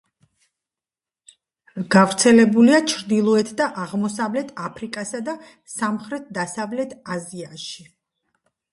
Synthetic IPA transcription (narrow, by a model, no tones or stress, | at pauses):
ɡ̥avɾt̪sʰɛlɛbuliat͡ʃʰɾd̪ilˠɔɛt̪ʰd̪aʔaʁmɔsavlɛt̪ʰapʰɾikʼasad̪a | samχɾɛt̪̚ʰd̪asavlɛt̪ʰaziaʃi